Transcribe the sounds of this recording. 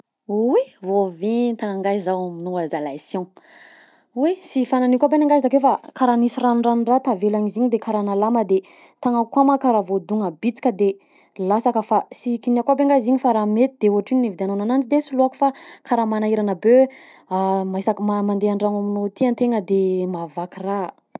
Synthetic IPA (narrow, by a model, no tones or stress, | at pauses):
wevoviɲt̪aŋaŋɡazawaminoazalasjõ | wesifananikabenaŋɡazd̪akefakaɾanisiranɳranrat̪avelaɲiziɲid̪ekaɾanalaməd̪e | t̪aŋakwamakaɾavod̪uŋəbit͡si̥kʲəd̪e | lasakəfasikiniakabeŋɡaziɲifaɾamet̪id̪euɦaʈ͡ʂininevd̪eanonanant͡sid̪esuluaku̥fakʰaɾamanaiɾanəbø | amasakəmamand̪eaɳɖ͡ʐaŋaminot̪iant̪eŋəd̪emavakira